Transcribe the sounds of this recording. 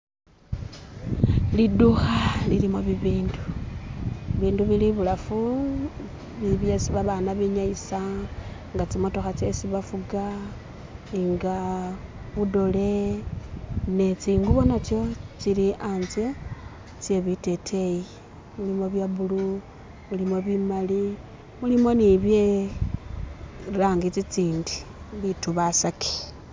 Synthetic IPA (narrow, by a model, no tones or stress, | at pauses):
liduxalilimoβiβiːndu | βiːnduβiliβulafu | βiβjesiβaβanaβiɲaisaŋɡat͡simotoxat͡sesiβafuɡa | iŋɡa | βudo̞le̞ | net͡siːŋɡuβonat͡sjo̞t͡ʃiɾiʔanze | t͡sje̞βite̞tʰe̞ji | mulimo̞βjaβulu | mulimo̞βimali | mulimo̞niβje̞ | ɾaːŋɡit͡sit͡siːndi̥ | βituβasake̥